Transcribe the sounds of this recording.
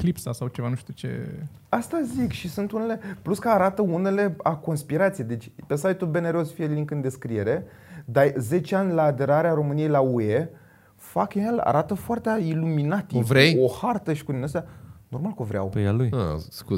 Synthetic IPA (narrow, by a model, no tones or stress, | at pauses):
klipsasawt͡ʃevanuʃt̪ut͡ʃe̞̰ | ast̪azikʃisunt̪une̞le̞pluskəaɾat̪əune̞le̞ako̞nspiɾat̪sijed̪e̞t͡ʃʲpe̞sajt̪ube̞ne̞ɾo̞sfieliŋkɨnd̪e̞skɾie̞ɾe̞ | d̪aze̞t͡ʃeanʲlaːd̪e̞ɾaɾeaɾo̞mɨnijejlaue | fakeela̰ɾʔat̪əfoart̪eiluminat̪vɾejohart̪əʃi̥kud̪inəst̪eano̞rmalkovɾea̰wpejaluj̰sku